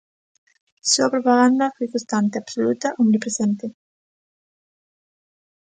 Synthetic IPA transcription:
suapɾopaɣand̪afujkost̪ant̪eabsolut̪aʔuŋnipɾesent̪e

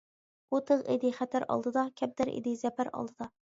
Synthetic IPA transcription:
ot̪ʰɨʁɪd̪ɪχæt̪ʰæɾɑ̰lˠd̪ɨd̪ɑkʲʰɛp̚d̪æɾʔḛd̪ɪzɛpæɾɑ̰lˠd̪ɨd̪ɑ

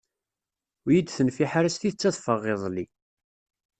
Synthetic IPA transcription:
jid̪θənfiħaɾæst̪iθət͡sːæðfəʁːeðˤli

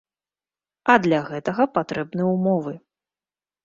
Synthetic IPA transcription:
ɐd̪lʲɐɣɛt̪ɐɣɐpat̪ɾɛbnɨjumɔvɨ

